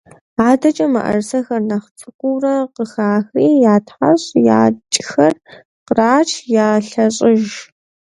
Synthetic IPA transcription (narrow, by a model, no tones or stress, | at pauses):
aːdɐt͡ʃʼɐmɐ̰ʔɐ̰rsɐxɐrnɐχt͡sʼɨkʷuːrɐqəxaːxriːjaːtħaɕʼja̰ːt͡ʃʼxɐr | qəraːt͡ʃʰjaːɬɐɕʼɪʒ